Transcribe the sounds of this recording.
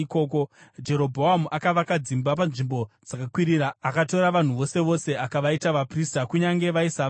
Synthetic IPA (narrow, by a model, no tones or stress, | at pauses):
ko̞ːko̞d͡ʒe̞ɾo̞bʱo̞ɦamuʔakaʋakad͡zimbap̬anʐimbo̞d͡zakakwiɾiraːkato̞ɾaʋan̤uʋo̞se̞ʋo̞se̞akaʋaitaʋapristakuɲaŋɡe̞ʋaisa